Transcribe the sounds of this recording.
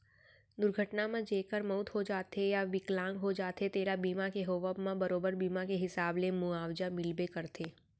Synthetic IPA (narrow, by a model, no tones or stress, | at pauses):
d̪ʊɾɡʱəʈnamãd͡ʒeːkəɾmɔʊt̪ɦod͡ʒaːt̪ejaʋɪklãːŋɡɦod͡ʒaːt̪et̪eːɾabiːmakeɦoːʋabmãbɐɾoːbəɾbiːmakeɦɪsaːblemʊaːwd͡ʒamɪlbekɐɾt̪ʰeː